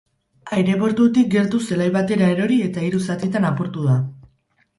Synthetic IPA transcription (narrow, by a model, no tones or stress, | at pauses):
ajɾe̞βo̞ɾt̪ut̪ik̚ɡe̞ɾt̪use̞lajβat̪e̞ɾae̞ɾo̞ɾie̞t̪aiɾusat̪it̪anapuɾt̪uð̞a